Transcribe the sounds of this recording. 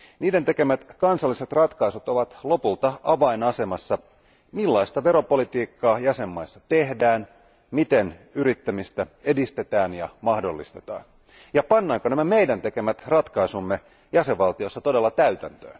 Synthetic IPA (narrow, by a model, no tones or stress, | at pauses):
niːdent̪e̞ke̞mæt̪kɑnsɑlːise̞t̪rɑt̪kɑisut̪o̞ʋɑt̪lo̞pult̪ɑɑʋɑinɑse̞mɑsːɑ | milːɑist̪ɑʋe̞ɾo̞po̞lit̪iːkːɑːjæse̞mːɑisːɑt̪e̞hdæːn | mit̪e̞nyɾit̪ːæmist̪æe̞dist̪e̞t̪æːnjɑmɑhdo̞lːist̪e̞̥t̪ɑ̰ːn | jɑpɑnːɑːŋkonæmæme̞jdænt̪e̞ke̞mæt̪rɑt̪kɑisumːe̞ | jæse̞ʋɑlt̪io̞sːɑt̪o̞de̞lːɑt̪æyt̪ænt̪ø̰ː